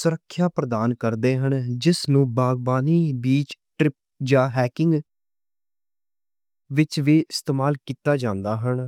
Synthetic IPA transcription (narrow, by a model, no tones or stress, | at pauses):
sʊɾəkʰːjaːpɾəd̪aːnkəɾd̪eːɦəɳd͡ʒɪsnũːbaːɡbaːniːbiːt͡ʃʈɾɪp̚d͡ʒaːɦɛːkɪŋɡ | ʋɪt͡ʃʋeːɪst̪eːmaːlkiːt̪aːd͡ʒãːnd̪aːɦəɳ